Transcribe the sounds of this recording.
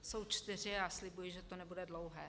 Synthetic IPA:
so̞wt͡ʃt̪ɪr̝ɪaslɪbujɪʒɛt̪onɛbudɛdlowɦɛː

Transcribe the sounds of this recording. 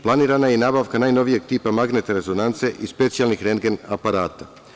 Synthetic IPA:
plˠaniːɾanajenaːbaʋkanaːjno̞ʋije̞ɡ̚t̪iːpamaɡne̞t̪eɾe̞zo̞nant̪se̞ʔispe̞t̪sijalˠnixɾeŋɡenapaɾaːt̪a

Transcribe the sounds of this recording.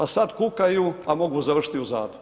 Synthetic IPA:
pasad̪kukajuamo̞ɡuzaʋər̩ʃi̥t̪iuza̰ːd̪o

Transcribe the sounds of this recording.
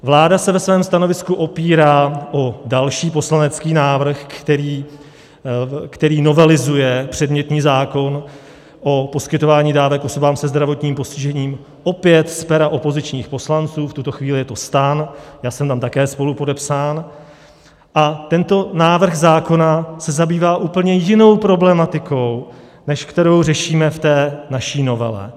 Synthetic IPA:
vlaːdasɛvɛsvɛːmst̪ano̞vɪskuʔo̞piːɾaːʔo̞dalʃiːpo̞slanɛt͡skiːnaːvr̩xt̪ɛɾiː | kt̪ɛɾiːno̞vɛlɪzujɛpr̝̥ɛdmɲɛt̪ɲiːzaːko̞n | ʔo̞po̞skɪt̪o̞vaːɲiːdaːvɛkʔo̞so̞baːmsɛzd̪ɾavo̞t̪ɲiːmpo̞scɪʒɛɲiːm | ʔo̞pɪjɛt̪spɛɾaʔo̞po̞zɪt͡ʃɲiːxpo̞slant͡suːft̪ut̪o̞xviːlɪjɛt̪o̞st̪anjaːsɛmt̪amt̪akɛːspo̞lupo̞dɛpsaːn | ʔat̪ɛnt̪o̞naːvr̩ɣzaːko̞nasɛzabiːvaːʔuːpl̩ɲɛjɪno̞wpɾo̞blɛmat̪ɪko̞w | nɛʃkt̪ɛɾo̞wrɛʃiːmɛft̪ɛːnaʃiːno̞vɛ̰lɛ̰

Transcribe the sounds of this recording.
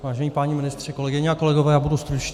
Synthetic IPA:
vaːʒɛɲipaɲimɪnɪst̪r̥ɛko̞lɛɡɪɲɛako̞lɛɡovɛːjaːbudust̪ɾut͡ʃ

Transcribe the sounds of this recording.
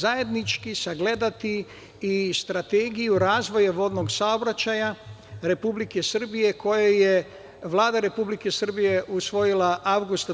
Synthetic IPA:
zaje̞d̪nit͡ʃkisaɡle̞d̪at̪i | ist̪ɾat̪eːɡijuɾaːzʋo̞jaʋo̞d̪no̞ɡsaobɾat͡ɕajaɾe̞publike̞sr̩bije̞kʰo̞jaje | ʋlˠaːd̪aɾe̞publike̞sr̩bije̞ʔusʋo̞jilaʔawɡust̪

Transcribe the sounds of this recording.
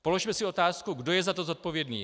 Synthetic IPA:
po̞lo̞ʃmɛsɪo̞t̪aːskuɡdo̞jɛzat̪o̞zo̞t̪̚po̞vjɛdnḭː

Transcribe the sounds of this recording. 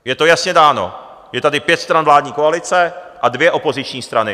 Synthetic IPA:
jɛt̪o̞jasɲɛdaːno̞̰ | jɛt̪adɪpjɛt̪st̪ɾanvlaːdɲiːkoalɪt͡sɛʔadvjɛʔo̞po̞zɪt͡ʃɲiːst̪ɾanɪ

